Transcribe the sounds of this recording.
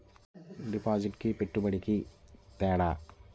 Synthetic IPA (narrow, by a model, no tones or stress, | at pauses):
ɖipːaːsiʈkɨpeʈːupɐɽikʲːit̪eːɽa